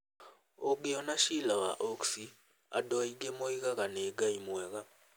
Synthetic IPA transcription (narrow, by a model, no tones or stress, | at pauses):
oɡeɔnaʃilawa̰ʔoksi | a̰dɔiɡemoiɣaɣaneɡaimwɛɣa